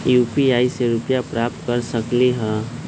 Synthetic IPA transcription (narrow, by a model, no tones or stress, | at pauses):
jupiaːiseɾʊpjapɾaːp̚t̪kəɾsəkleɦɛ̃